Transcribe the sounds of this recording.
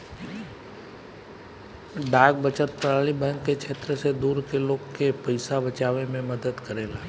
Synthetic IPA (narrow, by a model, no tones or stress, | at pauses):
ɖaːɡ̚bət͡ʃət̪̚pɾaːɭibɛ̃ːŋkːekʰeːt̪ɾəsed̪uːɾkeloːɡkepəɪsabət͡ʃaːʋemẽməd̪əd̪kəɾeːlaː